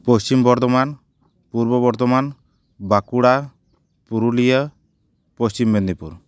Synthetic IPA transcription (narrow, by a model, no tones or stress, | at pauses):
pɔst͡ʃimbɔɾt̪ɔman | puɾbɔbɔɾt̪ɔman | bakuɽa | puɾulijə | pɔst͡ʃimbend̪ipṵɾ